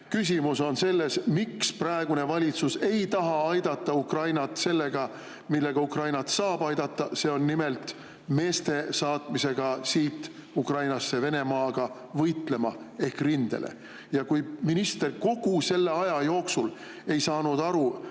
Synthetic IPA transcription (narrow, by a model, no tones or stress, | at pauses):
kys̬ʲimuso̞nse̞lːe̞smiksprɑe̞ɡ̥une̞vɑlʲit̪suse̞jt̪ɑɦɑɑjd̪ɑt̪ːɑukrɑjnɑt̪ˑse̞lːe̞ɡ̥ɑ | milːeɡ̥ɑukrɑjnɑt̪sɑːb̥ɑjd̪ɑt̪ˑːɑse̞ːo̞nːime̞lt̪ˑ | me̞ːst̪e̞sɑːt̪ˑmise̞ɡ̥ɑsiːt̪ːˑ | ukrɑjnɑsːe̞ve̞ne̞mɑːɡ̥ɑ | vɤjt̪le̞mɑ | e̞hkrind̪̥e̞̰lʔḛ | jɑkujminist̪e̞rko̞ɡ̥use̞lːe̞ɑjɑjo̞ːksul | e̞jsɑːnud̪ɑɾu